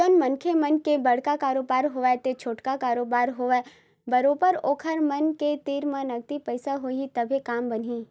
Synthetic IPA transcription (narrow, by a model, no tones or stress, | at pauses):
d͡ʒonmɐnkʰemɐnkebɐɽ̤kakaːɾoːbaːɾɦoːʋɛt̪et͡ʃʰoːʈkakaːɾoːbaːɾɦoːʋa | bɐɾoːpəɾoːkʰəɾmɐnket̪iːɾmãnɐk̚t̪ipɐɪsaɦoːit̪ɐbʱekaːmbɐnɦiː